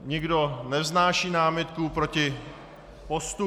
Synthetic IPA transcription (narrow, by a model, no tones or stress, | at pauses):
ɲɪɡdo̞nɛznaːʃiːnaːmɪt̪̚kupɾocɪ | post̪u